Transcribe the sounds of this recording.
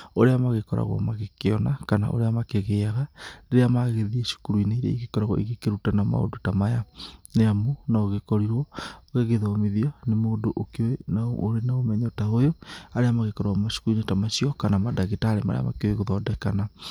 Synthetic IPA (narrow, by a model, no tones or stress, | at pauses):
oɾeamaɣekɔɾa̰ɣwɔ̰maɣekeɔnakana̰ʔo̰ɾeamakeɣeaɣaneɾeamaɣeðieʃu̥kuɾwineiɾɛ̰iɣekɔɾaɣwɔ̰iɣekeɾutanama̰o̰dotamajaneamonaoɣekɔɾiɾwɔoɣeɣeðɔmeðiɔnemoːdoʔokewenaooɾenaomɛɲɔtaojoaɾeamaɣekɔɾaɣmaʃu̥kuɾuinetamaʃiɔkanamadaɣetaɾema̰ɾḛa̰ma̰keoweɣoðɔdɛkana